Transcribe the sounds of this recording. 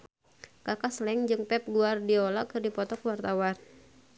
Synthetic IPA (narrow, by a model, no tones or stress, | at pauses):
kakaslɛŋd͡ʒɨŋpɛp̚ɡuardiolakɨrdipɔt̪ɔkwart̪awan